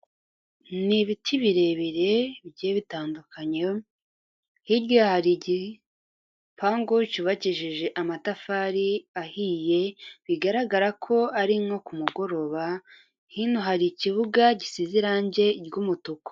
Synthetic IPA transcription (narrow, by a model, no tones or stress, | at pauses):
niβitʰiβiɾe̞βiɾe̞βɟeːβitaːndukʰaɲe | hiɾɟahaɾiɟi | paːŋɡocuβaciʒiʒe̞ʔamatafaːɾiahije̞βiɡaɾaɡaɾakʰo̞aɾiŋo̞kumuɡo̞ɾo̞βa | hinoɦaɾiciβuɡaɟisiziɾaːɲɟe̞ɾɡumutoko̥